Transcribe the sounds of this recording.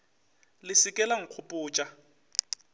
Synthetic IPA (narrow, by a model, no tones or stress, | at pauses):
lɪsɪkʼɛlaŋ̩q͡χʰʊpʼʊːt͡ʃʼa